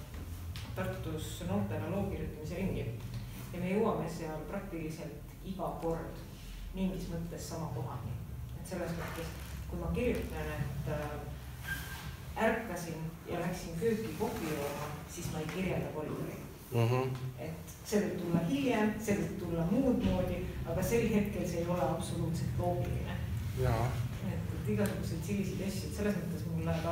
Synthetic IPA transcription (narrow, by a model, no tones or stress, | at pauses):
t̪ɑrt̪ːˑusnoːt̪ːˑenɑlo̞ːkirjut̪ːˑɑmise̞ɾiŋɡi | jɑme̞jɤwɑme̞seɑlprɑk̚t̪ilise̞lt̪ | iɡɑko̞rd̪̥ | niŋɡismɤt̪ːˑe̞sːɑmɑko̞ɦɑnḭe̞t̪ːse̞lːe̞smɤt̪ːˑe̞s | kujmɑkirjut̪neet̪ːˑ | ærkːˑɑsinjɑlæksinkøːt̪kikofijoːmɑsismɑe̞jkirjelɑkol̰ːṵlḭ | e̞t̪ːˑ | se̞veb̥̚t̪ulːɑɦiljensevəb̥̚t̪ulːɑmuːd̪mo̞ːd̪̥ʲiɑɡ̥ɑse̞lːɦe̞t̪̚ke̞lseːjo̞le̞ɑbso̞luːt̪se̞lt̪lo̞ːɡ̥ḭlḭnḛ | e̞t̪ːˑet̪ːˑiɡ̥ɑsuɡ̥use̞d̪̥silʲːised̪ɑsʲjuet̪se̞lːe̞smɤt̪ːˑe̞smulːæɑ